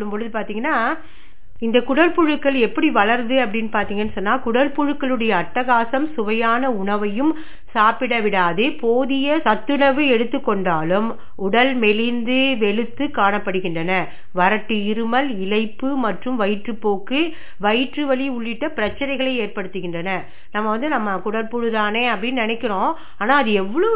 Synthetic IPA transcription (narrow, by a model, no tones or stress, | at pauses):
ɭɯmpɔɻɯðɯpaːɾt̪iːŋɡɐnːaː | ɪnd̪ɐkʊɽɐlpʊɻɯkːɐɭɛpːɐɽiʋɐɭɐɾnd̪ɯɐpːɐɽɪnːɯpaːɾt̪iːŋɡɐnːɯsɔnːaːkʊɽɐlpʊɻɯkːɐɭɯɽɐjɐːʈːɐɣaːsɐmsʊʋɐjaːnɐʊɳɐʋɐjɯm | saːpɪɽɐʋɪɽaːðɯpoːðɪjɐsɐt̪ːɯɳɐʋɯɛɽɯt̪ːɯkːɔɳɖaːlɯm | ʊɽɐlmɛlɪnd̪ɯʋɛɭɯt̪ːɯkaːɳɐpːɐɽɯɣɪndrɐnɐ | ʋɐɾɐʈːɯɪɾɯmɐlɪlɐɪpːɯmɐʈrɯmʋɐɪʈrɯpːoːkːɯ | ʋɐɪʈrɯʋɐɭiʊɭːɪʈːɐpɪɾɐt͡ʃːɐɾɐɪɣɐɭɐɪeːrpɐɽɯt̪ːɯɣɪndrɐnɐ | nɐmːɐʋɐnd̪ɯnɐmːɐkʊɽɐlpʊɻɯðaːneːɐpːɐɽɪnːnɐnɛkːɪɾõː | aːnaːɐðɯɛʋːɐɭo